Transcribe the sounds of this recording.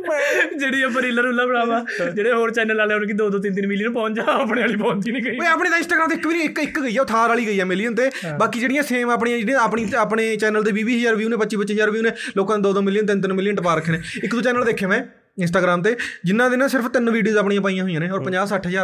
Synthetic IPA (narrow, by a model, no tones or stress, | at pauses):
d͡ʒeːɽiːopəɾiːləɾulːãːpəɽaːmãː | d͡ʒeːɽeːɦoːɾt͡ʃɛːnəlaːlɛːñːkid̪oːd̪oːt̪̬ɪnt̪ɪnʋɪlənpɔ̃ːɲt͡ʃd͡ʒaːaːpnẽːəliːpɔ̃ːnd̪iːnĩːɡəeaːpɽẽːt̪ãːɪnsʈaːɡɾaːmt̪eːɪkbiːniɪkɪkɡəiːjaːʊt̪ʰaːɾaːɭiːɡəiːaːmɪlijənt̪eː | baːkiːd͡ʒeːɽɪjãːseːmaːp̬ɳiãːñːaːpɳiaːpɳeːt͡ʃɛːnəlt̪̬eːʋiːʋiːɦəzaːɾʋijuːnẽːpətːʃiːpət̪ːt͡ʃʃɦəzaːɾʋiːuːnẽːloːkãed̪oːd̪oːmɪlijənt̪ɪnt̪ɪnmɪlːiəɳʈəpaːɾəkʰːeːneːɪkd̪oːt͡ʃɛːnəld̪eːkʰjeaːʋɛ̃ː | ɪnsʈaːɡɾaːmt̪eːd͡ʒɪnːãːd̪eːnãːsɪɾəpʰt̪ɪnʋiːɖijoːzaːpɳĩːãːp̬aːiːãːɦʊijãːneːɔːɾpəɲd͡ʒaːsəːʈʰɦəzaːɾ